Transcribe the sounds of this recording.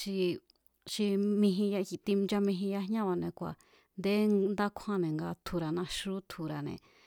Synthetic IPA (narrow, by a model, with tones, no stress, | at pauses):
ʃi˧ | ʃi˧mĩ˧ɦĩ˧ja˧xi˧t̪i˧d͡ʒa˧mĩ˧ɦĩ˧ja˧ɦɲã˦βa˨nẽ˨kʷa̰˨ | nd̪e˦nd̪a˦kʷʰã˦nẽ˨ŋɡa˧t̪ʰu˧ɾa˨nã˧ʃu˦t̪ʰu˨ɾa˨nḛ̃˨